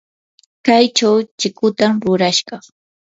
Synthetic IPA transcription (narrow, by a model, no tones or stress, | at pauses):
kajt͡ʃawt͡ʃɪkʊt̪amɾʊɾaʃɢɑχ